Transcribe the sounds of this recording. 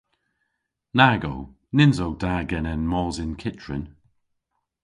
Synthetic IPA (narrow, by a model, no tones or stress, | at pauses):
naːɡo̰w | nɪnzowd̥aːɡɛnɛnmɔːzɪnkʰɪt͡ʃɹɪ̰n